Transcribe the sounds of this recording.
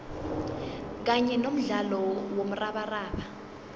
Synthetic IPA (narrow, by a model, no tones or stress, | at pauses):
k̬aɲɛnom̩ɮalɔwom̩raɓaraːɓa